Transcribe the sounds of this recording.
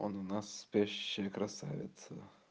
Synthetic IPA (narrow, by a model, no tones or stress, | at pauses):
onʊnasːpʲeɕɕːɪjəkɾɐsa̰vʲɪ̰t̪sə